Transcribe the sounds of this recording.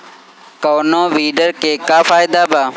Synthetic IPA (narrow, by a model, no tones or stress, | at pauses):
koːnõːʋiːɖəɾkeːkaːfaːɪd̪aːbaː